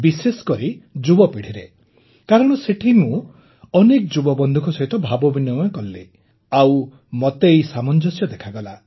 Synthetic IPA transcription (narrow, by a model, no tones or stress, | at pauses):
bisesɔ̥kɔɾid͡ʒubɔpiɽ̤iɾe | kaɾɔɽ̃ɔseʈʰimũ | ɔnekɔd͡ʒubɔbɔnd̪ʱukʰɔsɔɦit̪ɔbʱabɔbinɔmɔkɔlːe | aw | mot̪ejsamɔnd͡ʒɔsjɔd̪ekʰaɡɔla